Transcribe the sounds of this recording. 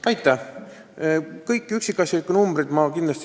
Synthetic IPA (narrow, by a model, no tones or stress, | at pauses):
ɑjt̪ːˑæ | kɤjkːˑyksikːˑɑsʲjɑlikːˑunumbɾid̪mɑkind̪lɑst̪